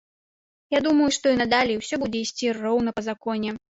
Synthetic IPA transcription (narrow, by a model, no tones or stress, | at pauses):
jad̪umɐjuʂt̪ɔinɐd̪alʲiwsʲɔbud͡zʲɛisʲt͡sʲirɔwn̪ɐpɐzakɔnʲɛ